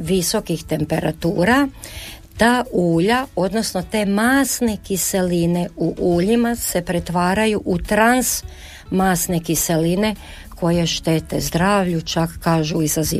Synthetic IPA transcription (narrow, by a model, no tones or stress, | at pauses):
ʋiso̞kixt̪e̞mpe̞ɾat̪uːɾa | t̪aːuːʎao̞d̪no̞sno̞t̪e̞ːmaːsnekise̞line̞uʔuːʎimase̞pɾe̞t̪ʋaːɾajuʔut̪ɾans | maːsnekise̞line̞ | kʰo̞je̞ʃt̪e̞t̪e̞zd̪ɾaːʋʎut͡ʃakːaːʒuizazḭː